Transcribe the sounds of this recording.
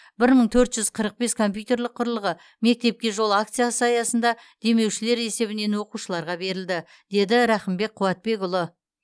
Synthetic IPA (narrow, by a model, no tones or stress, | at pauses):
bɪɾməɴt̪ʰɵɾt̪ʒ̥ʏz̥qʰəɾəq̚be̞skʰo̞mpʲjut̪e̞ɾlɪqʰːʊɾlˠəʁə | me̞k̚t̪e̞p̚kʲe̞ʒo̞lˠak̚t̪sɨjasəɑjɑsənd̪ɑd̪̥e̞me̞wʃɪle̞ɾe̞se̞βɪne̞nwo̞quʃəlˠɑɾʁɑbe̞ɾɪld̪ɪ | d̪̥e̞d̪ɪɾæχəmbe̞k̚qʰʊwɑt̪̚be̞ɡʊlˠə